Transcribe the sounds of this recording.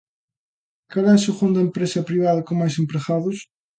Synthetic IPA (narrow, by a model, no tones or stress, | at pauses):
kaɾasuʁõnd̪ɐẽmpɾesɐpɾiβaðɐkõŋmajs̬ẽmpɾeɣaðuʃ